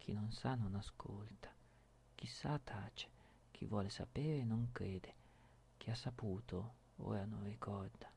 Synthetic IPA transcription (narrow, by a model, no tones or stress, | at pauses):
k̟ʰḭnonsanonaskʰolt̪ḁ | k̟isːat̪ʰaːt͡ʃe̥ | k̟ʰḭvwɔːlesa̰peːɾeːnoŋkɾeːd̪e | k̟ʰiasːapuːt̪o | o̰anorikʰɔrd̪a